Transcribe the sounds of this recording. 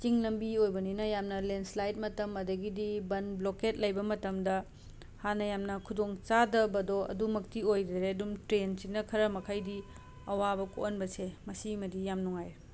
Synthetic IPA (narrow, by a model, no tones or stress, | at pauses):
t͡ʃiŋlɐmbiojbɐninɐjamnɐlenslajt̚mɐtɐmɐdɐɡidibɐnbloket̚lɐjbɐmɐtɐmdɐ | hanɐjamnɐkʰudoŋt͡ʃadɐbɐdoɐ̰dumɐk̚tiojdɾeɐdumtɾensinɐkʰɐɾɐmɐkʰajdi | ɐwabɐkonbɐsemɐsimɐdijamnuŋajɾ